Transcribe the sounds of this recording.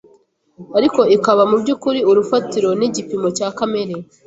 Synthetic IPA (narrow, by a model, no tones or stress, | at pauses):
aɾiko̞ikaβamubɟukuɾiuɾufatiɾo̞niɟipimo̞caːkame̞ɾe